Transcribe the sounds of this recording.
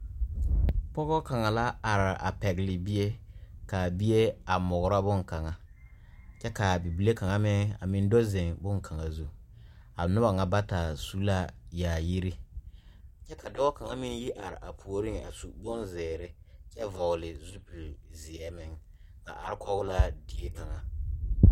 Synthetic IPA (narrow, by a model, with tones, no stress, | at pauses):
pɔ˦ɣɔ˦ka˨ŋa˨la˦a˨ɾʔa̰˨pɛ˨ɣɪ˨lɪ˨bi˦e˦ka˨bi˦je˦a˨mʊ˨ɣɾa˦bʊ˦ŋka˨ŋa˨ | t͡ʃɛ˦ka˨bi˨bi˨˦le˦ka˨ŋa˦mɪ˦ŋa̰˨mɪ̃˦n˦do˦zɪ˨ŋbʊ˦ŋkʰa˨ŋa˨zu˦ | a˨nʊ˦ba˨ŋa˨ba˦ta˨su˦la˦jaː˨ji˦ɾi˦ | t͡ʃɛ˦kʰa˨dɔ˦ɣa˦ka˨ŋa˦mɪ˦nji˦ʔa˨ɾɪ˨ʔa˨pʰu˨o˦ɾi˦ŋa̰˨su˨bʊ˦nzɛː˨ɾɪ˦ | t͡ʃɛ˦vɔ˨ɣlɪ˨zu˦pu˨lzɪ˨ɛ˨mɪ˦ŋ | ka̰˨ʔa̰˨ɾɪ˦kʰɔ˦ɣʊ˦la˦di˦e˦ka˨ŋa˨